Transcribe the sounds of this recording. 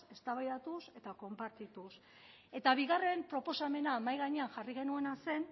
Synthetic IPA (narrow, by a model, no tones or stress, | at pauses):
e̞st̪aβajðat̪use̞t̪ako̞mpaɾt̪it̪us | e̞t̪aβiɣ̞are̞mpɾo̞po̞same̞naːmajɣaɲe̞anʝariɣ̞e̞nue̞nase̞n